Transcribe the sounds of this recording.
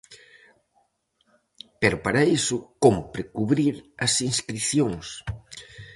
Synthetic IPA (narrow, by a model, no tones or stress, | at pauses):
peɾʊpaɾaisʊkompɾɪkuβɾiɾɐsiŋskɾiθjoŋs